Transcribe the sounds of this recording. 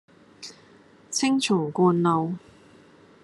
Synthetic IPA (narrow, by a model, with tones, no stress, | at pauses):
t͡sʰɪ˥ŋt͡ʃʰʊ˨˩ŋkɔː˧nlo˨w